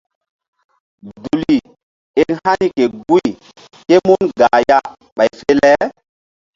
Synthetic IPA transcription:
du˨li˨ | e˦ŋha˦ni˦ke˨ɡu˦i˨ | ke˦mu˦nɡa˨ja˦ | ɓa˨jfe˦lɛ˦

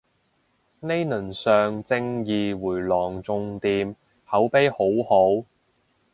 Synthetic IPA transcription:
ne˥jnɵ˨˩nsœː˨˧ŋt͡sɪ˧ŋjiː˨˧wuː˨˩jlɔː˨˩ŋt͡sʊ˧ŋt̪iː˧m | hɐ˨˥wpe˥jho˨˥who˨˥w

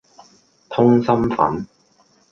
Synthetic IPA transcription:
t̪ʰʊ˥ŋsɐ˥mfɐ̰˨˥n

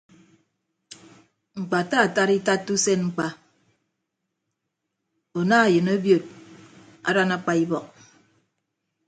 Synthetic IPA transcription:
ŋ͡m̩˨k͡pa˨ta˦a˨ta˦ɾi˦ta˦tːu˦se˦nŋ͡m̩˨k͡pa˨ | o˨na˦a˨jɨ˨no˦bjo˨t̚ | a̰˨ɾa˦na˦k͡pa˦i˦bɔ˨k̚

